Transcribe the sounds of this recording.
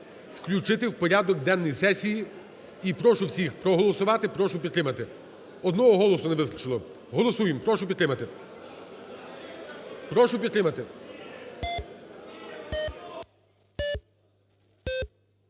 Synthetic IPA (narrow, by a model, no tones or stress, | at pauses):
wklʲut͡ʃɪt̪ɪwpɔɾʲad̪ɔk̚d̪ɛnːɔjisɛsʲiji | ipɾɔʃʊwsʲixpɾɔɦɔlˠɔsʊʋɑt̪ɪpɾɔʃʊpʲid̪t̪ɾɪmɐt̪ɪ | ɔd̪nɔɦɔɦɔlˠɔsʊneʋɪst̪ɾɐt͡ʃɪlˠɔ | ɦɔlˠɔsujɪmpɾɔʃʊpʲit̪ɾɪmɐt̪ɪ | pɾɔʃʊpʲid̪t̪ɾɪmɐt̪ɪ